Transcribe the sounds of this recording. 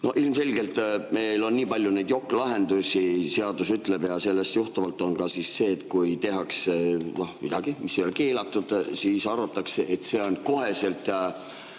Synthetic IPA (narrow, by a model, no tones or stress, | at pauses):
no̞̰hʔilmse̞lʲɡ̥e̞lt̪ːˑme̞jlo̞nniːpɑlʲjune̞jd̪̥jo̞kːlɑɦe̞nd̪usʲise̞ɑd̪usyt̪ːˑle̞b̥jɑse̞lːe̞st̪juht̪ɑvɑlt̪ːˑo̞nkɑsisse̞ːt̪kujt̪e̞ɦɑksenohmid̪ɑ̰ɡ̥imisːejo̞leke̞ːlɑt̪ːˑud̪̥siːsɑrvɑt̪ːˑɑkseʔet̪se̞ːo̞nko̞ɦe̞se̞lt̪ˑjɑ